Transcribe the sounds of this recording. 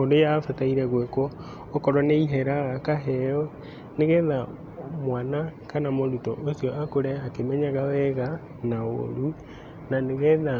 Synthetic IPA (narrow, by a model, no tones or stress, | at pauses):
oːndojafataiɾɛɣwekɔː | kɔɾɔneiɦɛɾaɣakaɦɛɔ | neɣɛða | mwanakanamoɾutɔʔosjɔʔakoɾɛakemɛɲaɣawɛɣa | nao̰ɾu | naneɣɛða